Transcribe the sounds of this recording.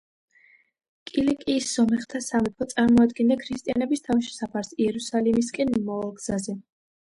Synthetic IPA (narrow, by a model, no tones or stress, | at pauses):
kʼilikʼiːsz̥ɔmɛχt̪ʰasamɛpʰɔt̪sʼaɾmɔad̪ɡɛnd̪akʰɾist̪ʼianɛbist̪ʰaviʃɛ̥sapʰaɾsiɛɾusalimis̬kʼɛnmɔvalˠɡz̥azɛ